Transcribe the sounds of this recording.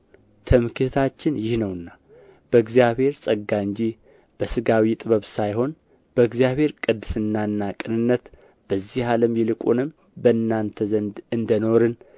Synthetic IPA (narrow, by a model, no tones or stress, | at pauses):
t̪ʰəmkʰit̪ʰt̪ʰat͡ʃːɪnjɪhnəwɨnːa | b̥əɨɡzijaβhe̞ɾsʼəɡːaɨɲd͡ʒi | b̥əsɨɡawit̪ʼɨβəβsajho̞n | bəɨɡzjaβhe̞ɾkʼɨd̪ːɨsɨnːaɨnːakʼɨnɨnːət̪ | b̥əzːihaləmjɛlɨkʼunɨm | bəɨnːant̪ʰəzənd̪ɨnd̪əno̞ɾɨn